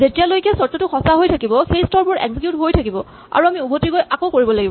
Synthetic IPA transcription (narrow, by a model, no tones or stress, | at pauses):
zetijalojkɛsɔɹtɔtʊxʰɔsaɦojtʰakibɔxejstɔɹpʊɹɛ̰ɡsikjutɦojtʰakibɔ | a̰ɹuamiubʱotikojakokoɹibɔlaɡibɔ